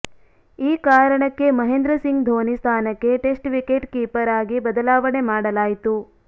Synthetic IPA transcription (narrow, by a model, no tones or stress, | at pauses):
iːkaːɾɐɳɐkːe̞mɐɦend̪ɾɐsiŋɡd̪ʱoːnist̪ʰaːnɐkːe̞ʈe̞sʈʋikeʈkiːpɐɾaːɡibɐd̪ɐlaːʋɐɳemaːɽɐlaːjit̪u